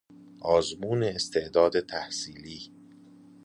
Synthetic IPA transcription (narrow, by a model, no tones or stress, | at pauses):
ʔɒːzmuːneːst̪ʰe̞ʔd̪ɒːd̪et̪ʰæhsiːliː